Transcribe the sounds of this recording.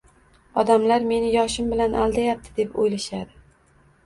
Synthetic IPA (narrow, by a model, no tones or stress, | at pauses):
ɒd̪amlaɾme̞nɪjɒʃɪmbɪlanʔa̰lˠd̪ajap̚t̪ʰɪd̪e̞pojlaʃad̪ɪ